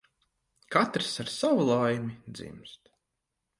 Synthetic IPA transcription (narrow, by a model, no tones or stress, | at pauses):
kat̪ɾsaɾsawulˠajmid̪zḭmst̪